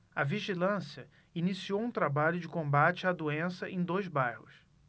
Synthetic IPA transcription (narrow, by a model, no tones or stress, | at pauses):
ɐviʒilɐ̃siɐ | inisiowũt̪ɾabaʎʊd͡ʒɪkõbat͡ʃɪad̪uẽsɐʔẽj̃d̪ojzbajhʊs